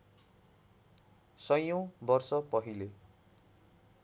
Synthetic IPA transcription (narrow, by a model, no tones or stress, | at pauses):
sʌjõbʌrsʌpʌɦile